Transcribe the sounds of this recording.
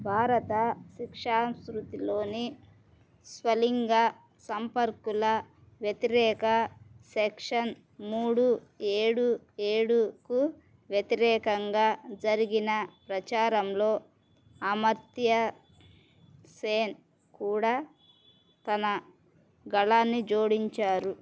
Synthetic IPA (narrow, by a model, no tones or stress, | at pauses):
bʱaːɾɐt̪ɐʃikʂaːmskɾut̪ilo̞ːni | sʋɐliŋɡaː | sɐmpɐɾkulɐ | ʋjɐt̪iɾɛːkɐsɛkʂɐn | muːɽueːɽu | eːɽuku | ʋjɐt̪iɾɛːkɐŋɡaːd͡ʒɐɾiɡinɐpɾɐt͡ʃaːɾɐmlo̞ː | ɐmɐɾt̪jɐ | seːn | kuːɽaː | t̪ɐnɐ | ɡɐɭaːnːid͡ʒoːɽiɲt͡ʃaːɾu